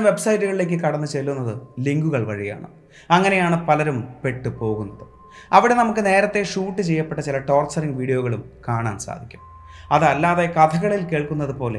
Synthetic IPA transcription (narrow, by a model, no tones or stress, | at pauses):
mʋe̞bsɐjiʈːuɣɐɭile̞ːk̬ʲːɨkɐɽɐnːut͡ɕelːunːɐðɨliŋɡuɣɐɭʋɐɻija̰ːɳɨ̰ | ɐŋːɐne̞jaːɳɨpɐlɐɾumpe̞ʈːɨpo̞ːɣunːɐðɨ | ɐʋiɽe̞nɐmukːɨne̞ːɾɐt̪ːe̞ʂuːʈːɨt͡ɕe̞jːɐpːe̞ʈːɐt͡ɕilɐʈo̞ːrt͡ɕːɐriŋɡʋiːɖijoːɣɐɭumkaːɳa̰ːnsa̰ːd̪ʱikʲːu̥m | ɐðɐlːaːðekɐt̪ʰɐɣɐɭilke̞ːɭkunːɐðɨpo̞ːlḛ